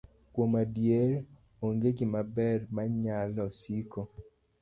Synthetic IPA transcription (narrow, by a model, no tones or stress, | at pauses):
kwomadjeɾ | oŋɡekimabɛrmaɲalɔsiko